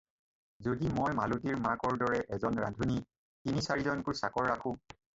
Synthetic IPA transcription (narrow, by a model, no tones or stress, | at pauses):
zodimɔjmalut̬iɹmaɹkɔɹdɔɹɛʔɛzɔnɹa̰ndʱuni | tinisaɹizɔnkʊɹsakɔɹːakʰʊ̃